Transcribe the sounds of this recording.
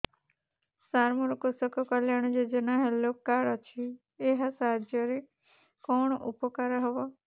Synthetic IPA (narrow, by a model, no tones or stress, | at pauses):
saɾmɔɾɔkusɔkɔkəljaɳ̃d͡ʒed͡ʒənaɦelokːaɾɔt͡ʃʰiː | ɦasad͡ʒjɔɾe | kɔɳ̃ɔʔupɔkaɾɦɔʋɔ